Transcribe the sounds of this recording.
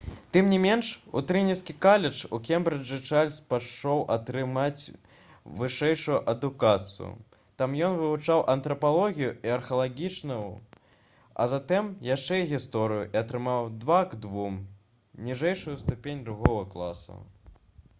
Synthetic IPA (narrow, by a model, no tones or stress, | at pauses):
t̪ɨmnʲimʲɛnʂṵt̪ɾɨnʲiskʲikalʲɛt͡ʂṵkʲɛmbɾɨd͡ʐɨt͡ʂalʲspaʂɔwʔɐt̪ɾɨmat͡sʲ | vɨʂɛjʂujuʔɐd̪ukat̪sɨ̰jṵ | t̪amjɔnvɨvut͡ʂawʔɐnt̪ɾɐpalˠɔɣʲijuiɐrxɐlˠaɣʲit͡ʂnɐju | ɐ̰zat̪ɛmjaʂt͡ʂɛjɣʲist̪ɔɾɨjuʔiɐt̪ɾɨmawd̪vaɡd̪vum | nʲiʐɛjʂujust̪upʲenʲd̪ɾuɣɔɣɐklˠa̰sɐ̰